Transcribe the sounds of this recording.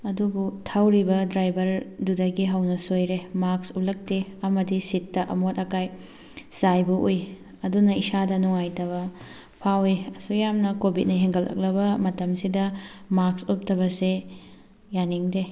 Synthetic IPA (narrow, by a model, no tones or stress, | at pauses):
ɐdubutʰawɾibɐdɾajbʱɐɾdudɐɡiɦɐwnɐsojɾemaɾksup̚lɐk̚teɐmɐdisitːɐʔɐ̰motɐkaj | sajbuʔoj | ɐdunɐisadɐnuŋajtɐβɐ | pʰaweɐsujamnɐkobit̚nɐɦeŋɡɐlʔɐ̰k̚lɐbɐmɐtɐmsidɐmaksup̚tɐbɐse | janiŋde